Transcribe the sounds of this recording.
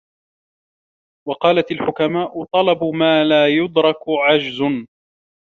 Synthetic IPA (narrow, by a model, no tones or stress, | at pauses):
wɑqɑːlat̪alħʊkamaːʔʊt̪ˤɑlɑbmaːlaːjʊd̪ɾˤɑkʊʕad͡ʒzʊn